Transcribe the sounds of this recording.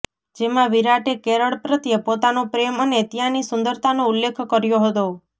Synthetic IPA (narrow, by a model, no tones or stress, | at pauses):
d͡ʒemãʋiɾaʈekeɾəɭpɾət̪jəpot̪anopɾemənet̪jãnisʊnd̪əɾt̪ʰanoulːekʰkəɾjoɦət̪o